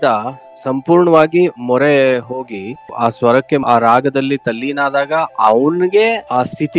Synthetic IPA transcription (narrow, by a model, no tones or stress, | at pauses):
d̪a | sɐmpuːɾɳɐʋaːɡimɔɾeɦoːɡia̰ːsʋɐɾɐkːe̞aːɾaːɡɐd̪ɐlːit̪ɐlːiːnaːd̪aːɡɐɐʋɐnɡe̞aːst̪ʰit̪